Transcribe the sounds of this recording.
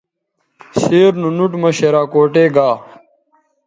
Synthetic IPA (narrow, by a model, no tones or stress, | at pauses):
seːɾnunuʈmɐɕeɾaːkoːʈeːɡaː